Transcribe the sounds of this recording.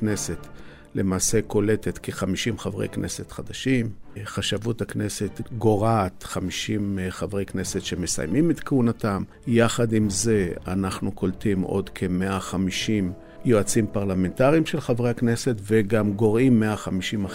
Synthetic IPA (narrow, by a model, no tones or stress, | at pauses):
knese̞t | le̞maːse̞ko̞le̞tet̪keχamiʃimχavʁḛjknʔe̞̰se̞t̪χad̪aʃimχaʃavuthakne̞se̞t̪ɡo̞ʁat̪χamiʃimχavʁejkne̞setʃe̞me̞sa̰jmimet̪keunatam | jaχad̪imze̞a̰naχnuko̞ltimʔo̞̰d̪kʰe̞meaχamiʃim | joat͡simpaʁlame̞ntaʁiimʃelχavʁehakne̞se̞tveɡamɡo̞ʁimːeaχamiʃima